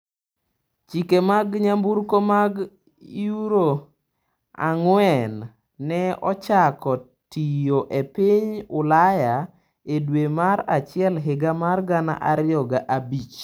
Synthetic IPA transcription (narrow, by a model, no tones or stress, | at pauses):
t͡ʃikemaɡɲambuɾkomaɡ | iuɾo | a̰ŋwɛnː | ɛɔ̰t͡ʃakɔ | tijoʔepiɲʊlaja | edwemaɾat͡ʃɪɛlɦɪɡamarɡana̰ʔaɾɪjɔɡaʔabit͡ʃ